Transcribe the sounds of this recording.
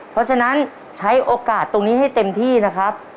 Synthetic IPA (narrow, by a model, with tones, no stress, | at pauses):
pʰɾɔ˦˥t͡ɕʰa˧na˦˥n | t͡ɕʰa˦˥jʔoː˧kaː˨˩t̪ːo˧ŋniː˦˥ɦa˥˩jt̪e˧mt̪ʰiː˥˩na˦˥kʰɾa˦˥p̚